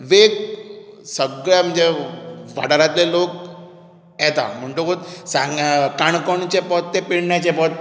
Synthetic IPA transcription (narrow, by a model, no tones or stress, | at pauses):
ʋek | səɡɭjam̤əɳd͡zeʋa̰ʈaɾat̪lelok | jɛt̪a̰m̤əɳʈokot̪sãŋɡkaɳ̃kɔɳ̃t͡ɕepɔt̪ːepiɽɳjat͡ɕepɔt̪ː